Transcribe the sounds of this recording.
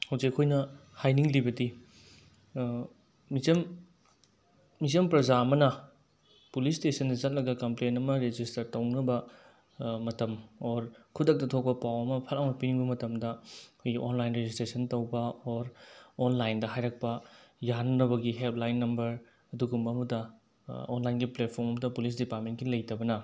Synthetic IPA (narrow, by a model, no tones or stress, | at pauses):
hawzekɐkʰojnɐhajniŋlibɐdi | izɐm | izɐmpɾɐzaɐmɐnɐ | pulistesɐndɐzɐt̚lɐɡɐkɐmplenɐmɐɾed͡ʒistɐɾtɐwnɐbɐ | mɐtɐmoɾkʰudɐk̚tɐtʰok̚pɐpawɐmɐpʰɐlawmɐpiniŋbɐmɐtɐmdɐkʰojɡiʔonlajnɾed͡ʒistɾesʰɐntɐwbɐoɾonlajndɐɦajɾɐk̚pɐjanɐnɐβɐɡiɦelp̚lajnːɐmbɐɾ | ɐduɡumɐmudɐ | onlajnɡiplet̚pʰoɾmɐmɐdɐpulis̬dipaɾt̚mentkilɐjtɐbɐnɐ